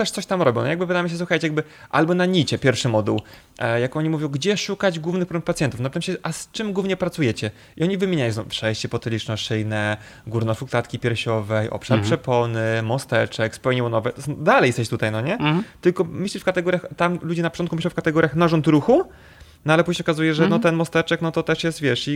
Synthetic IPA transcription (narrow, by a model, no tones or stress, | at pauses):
t̪ɛʂt̪sɔɕt̪amɾɔbʲjɔ̃wnjaɡbɘvɨd̪ajɛmɕ̬ɛs̬wuxajt͡ɕɛjaɡbɘ | ʔa̰lbɔnaɲit͡ɕɛpʲjɛɾfʂɘmɔd̪ṵw | jakɔɲimuvʲjɔ̃w̃ɡd͡ʑɛʂukad͡ʑɡwuvnɘxpɾɔɛmpat̪ʲjɛnt̪ufnapɘt̪amɕɛʔast͡ʂɘmɡwuvɲɛpɾat̪sujɛt͡ɕɛ | iɔɲivɘmʲeɲajɔ̃sɔ̃w̃fʂɛjɕt͡ɕɛpɔt̪ɛlʲit͡ʂnɔʂɘjnɛ | ɡuɾnɔfuklat̪kʲipʲjɛɾɕɔvɛjʔɔ̰pʂaɾpʂɛpɔnɘmɔst̪ɛt͡ʂɛkspɛwɲɛwɔnɔvɛsɔd̪alɛjɛst̪ɛt͡ɕt̪ut̪ajnɔɲɛt̪ɘlkɔmɘɕlʲiʂfkat̪ɛɡɔɾʲjaxt̪amlud͡ʑɛnapɔ̥ɔnt̪kumɘɕlɔ̃wfkat̪ɛɡɔɾʲjaxnaʐɔnt̪ɾuxu | nɔalɛpuʑɲeɔkazujɛʐɛnɔt̪ɛnmɔst̪ɛt͡ʂɛknɔt̪ɔt̪ɛʂjɛst̪vʲjɛʂi